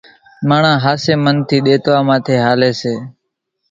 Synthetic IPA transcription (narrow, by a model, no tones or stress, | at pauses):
maːɳãːɦaːseːmənt̪ʰiːɗeːt̪ʋaːmãːt̪ʰeːɦaːleːseː